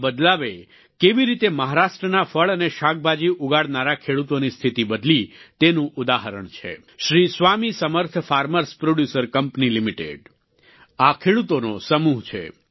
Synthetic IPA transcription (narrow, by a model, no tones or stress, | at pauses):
bəd̪laʋe | keʋiɾit̪eməɦaɾaʃʈɾənafəɭəneʃak̚bʱad͡ʒiʔuɡaɽnaɾakʰeɽut̪onist̪ʰit̪ibəd̪lit̪enũʔʊd̪aɦəɾəɳt͡ʃʰḛ | ʃɾisʋamisəməɾt̪ʰfaɾməɾspɾoɽjusəɾkəmpnilimiʈḛɖ | akʰeɽut̪onosəmuɦt͡ʃʰḛ